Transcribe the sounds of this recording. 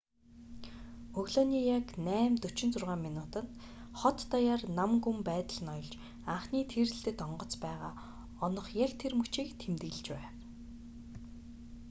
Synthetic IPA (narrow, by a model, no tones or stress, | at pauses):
ɵɣɮonijaknæːmt̪ɵ̥t͡ɕɪ̆nt͡sʊrʁaːmːinuːt̪ə̆n | χɔt̪ːajaːrnamɡumpæːt̪ə̆ɮ̆nɔjɞ̆ɮt͡ɕ | aɴχniːt̪ʰerɘ̆ɬt̪ɘ̆t̪ɔɴɢɞ̆t͡spæːʁaː | ɔnɞ̆χjakt̪ʰermut͡ɕiːkt̪ʰemt̪ɘ̆ɮt͡ɕpæːw